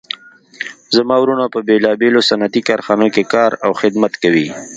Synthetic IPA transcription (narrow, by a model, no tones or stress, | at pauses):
zamɑwɾunapəbelɑbelosanat̪ikɑːɾxɑnokekɑːɾawxɪd̪mat̪kawi